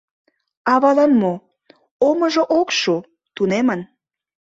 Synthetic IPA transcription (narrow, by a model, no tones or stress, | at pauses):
ɑβɑlɑnmo | oməʒoʔokʃu | t̪unemən